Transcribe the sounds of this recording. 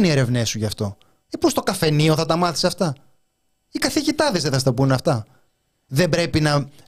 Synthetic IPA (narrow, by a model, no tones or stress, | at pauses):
nie̞ɾe̞vnesuʝɐft̪o̞ | epost̪o̞kɐfe̞nioθɐt̪ɐmɐθi̥seɐft̪ɐ | ikɐθiʝit̪ɐðezðeθɐst̪ɐpunɐft̪ɐ | ðe̞bɾe̞pinɐ